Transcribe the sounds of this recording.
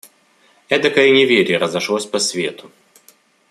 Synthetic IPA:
ɛd̪ɐkɐinʲɪvʲeɾʲɪɾəzɐʂlˠosʲpɐsʲvʲe̞t̪ʰʊ

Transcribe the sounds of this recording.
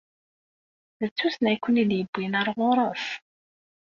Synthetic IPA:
ðət͡sːusnæjkʷːəniðjəbːinəɾˤʁʊɾˤəθ

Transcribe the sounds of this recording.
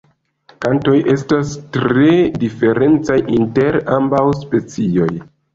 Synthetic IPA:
kanto̞jʔe̞stastɾe̞dife̞ɾe̞nt͡sajʔinte̞ɾambawspe̞t͡sio̞j

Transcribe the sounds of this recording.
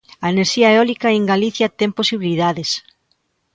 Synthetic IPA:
ɐeneɾʃiaeɔlikaeŋɡaliθjat̪emposiβiliðaðes

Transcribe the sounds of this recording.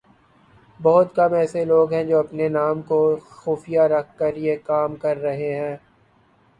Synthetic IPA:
bɔɦʊt̪kɐmɛːseloːɡɦɛ̃d͡ʒoːɐpnenaːmkoxoːfijaɾɐkʰːɐɾjekaːmkɐɾːɐɦeɦɛ̃ː

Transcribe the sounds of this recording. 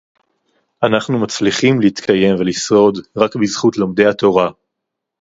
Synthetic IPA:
ʔanaχnumat͡sliχimleit̪kʰaje̞mvelisʁo̞d̪ʁakbizχut̪lo̞md̪e̞jhat̪o̞ʁa

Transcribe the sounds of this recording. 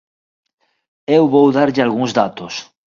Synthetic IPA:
ewβowðaɾʎɪalɣuŋzðat̪os

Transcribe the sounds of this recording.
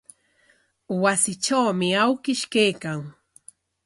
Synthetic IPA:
wasɪʈ͡ʂawmɪawkɪʃkejkaŋ

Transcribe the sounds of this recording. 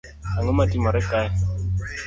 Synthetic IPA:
aŋʊmatimɔɾɛkaj

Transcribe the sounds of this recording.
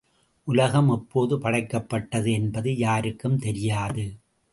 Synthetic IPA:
ʔʊlɐɣɐmɛpːoːðɯpɐɽɐɪkːɐpːɐʈːɐðɯɛnbɐðɯjaːɾɯkːɯmt̪ɛɾɪjaːðɯ

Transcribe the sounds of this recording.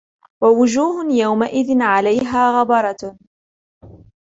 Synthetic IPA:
wawʊd͡ʒuːhʊjawmaʔɪðɪnʕalajɦaːɣɑbɑɾˤɑ

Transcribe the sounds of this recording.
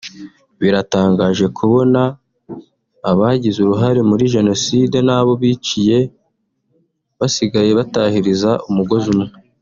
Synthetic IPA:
βiɾataːŋɡaːʒe̞kʰuβo̞na | βaɟizuɾuɦaɾe̞muɾiʒe̞no̞siːde̞naːβo̞βit͡ʃije̞ | βasiɡaje̞βatahiɾizaʔumuɡo̞zumŋe

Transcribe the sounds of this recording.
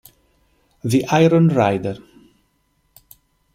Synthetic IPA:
ðiʔaɪɾə̃nɹaɪdəɹ

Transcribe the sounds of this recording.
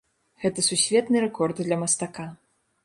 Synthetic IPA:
ɣɛt̪ɐsusʲvʲɛt̪nɨɾɛkɔrd̪d̪lʲɐmɐst̪aka

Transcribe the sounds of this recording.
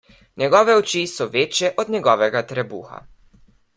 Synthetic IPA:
ɲʲɛɡɔːʋɛɔt͡ʃisɔʋeːt͡ʃjɛʔɔd̪nʲɛɡɔːʋɛɡat̪ɾɛbṵːxa̰

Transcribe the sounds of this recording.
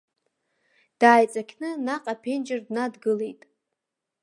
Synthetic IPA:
d̥aːjt͡sʼakʲʰnɨnaqʼapʰend͡ʒɪrdnadɡɨle̞jtʼ

